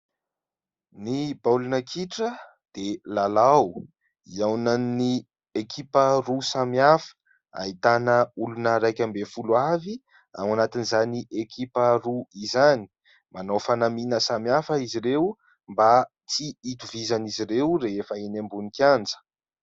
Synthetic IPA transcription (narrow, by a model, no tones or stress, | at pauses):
nibawlunəkʰiʈ͡ʂə | d̪̥elalaw | iawnanni | ekʰipərusamiafə̥ | a̰it̪anəulunəɾajkʲambefuluavi | a̰manat̪inizaniʔekʰipəruizani̥ | manowfanaminəsamiafəiziɾew | mba | t͡siit̪uvizaniziɾewreefəenambunikjand͡zə̥